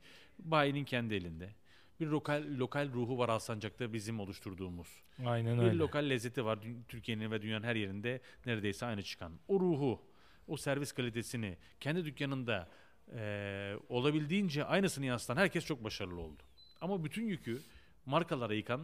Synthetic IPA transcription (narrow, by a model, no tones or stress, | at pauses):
baːjinincʰɛnd̪ie̞lʲind̪ɛ | biɾlo̞kʰalʲːo̞kʰalʲɾuːɦuvaɾalˠsand͡ʒak̚t̪abizimo̞lˠuʃt̪ʰuɾd̪uːmuz̥ | ajnnbiɾlʲo̞kʰalʲːɛzːe̞t̪ʰivaɾd̪t̪ʰyɾcʰije̞ninvɛd̪ynjanɯnɦæɾje̞ɾind̪ɛ | neɾed̪e̞jsɛajnɯt͡ʃʰɯ̥kʰanoɾuːɦu | osæɾviskʰalʲit̪ʰe̞sinɪ | cʰɛnd̪id̪ycjanɯnd̪a | o̞lˠabilʲd̪iːnd͡ʒɛʔajnɯsɯnɯjast̪ʰanhæɾcʰɛst͡ʃʰo̞k̚baʃaɾɯlˠɯo̞̰lˠd̪ʊ̥ | amabyt̪ʰynjycʰy | maɾkʰalˠaɾajɯkʰan